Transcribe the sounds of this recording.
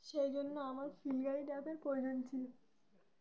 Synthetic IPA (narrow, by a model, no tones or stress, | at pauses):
ʃejd͡ʑonːoamaɾfilɡaiɖapeɾpɾood͡ʑont͡ɕʰilo